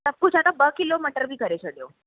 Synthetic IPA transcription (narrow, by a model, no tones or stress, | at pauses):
t̪əpːut͡ɕat̪abəkilomiʈəɾbʱiːkəɾet͡ɕəɖjo